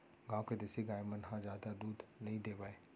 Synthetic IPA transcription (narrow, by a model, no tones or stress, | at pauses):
ɡãːwked̪eːsiɡaːjmənɦãzjaːd̪ad̪uːd̪nɐɦĩd̪eːʋaːeː